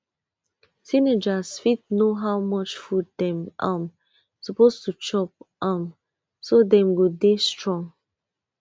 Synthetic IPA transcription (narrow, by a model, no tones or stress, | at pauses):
sined͡ʒasfitnoɦawmɔt͡ʃfuddɛ̃mʔam | supostut͡ʃɔp̚am | sodɛ̃mɡodestɹɔ̃ŋ